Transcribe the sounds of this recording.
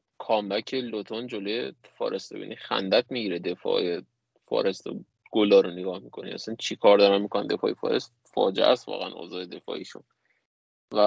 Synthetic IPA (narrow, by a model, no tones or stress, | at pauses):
kʰɒːmbæcʰe̞lot̪ʰond͡ʒolojefɒ̰ːɾʔe̞st̪ebḭːnʔixæ̰nd̪æt̪miːɟiɾed̪e̞fɒ̰ːje | fɒ̰ːɾe̞st̪o | ɡ̥olɒːɾoneɡɒːhmikʰo̞̰nḭʔæsænt͡ʃʰikʰɒːɾd̪ɒɾæmmikʰonænd̪e̞fɒːjefɒ̰ːɾe̞st̪fɒ̰ːd͡ʒḛʔæst̪vɒ̰ːɣḛænʔo̰ːzɒːed̪e̞fɒ̰ːiʃun | væ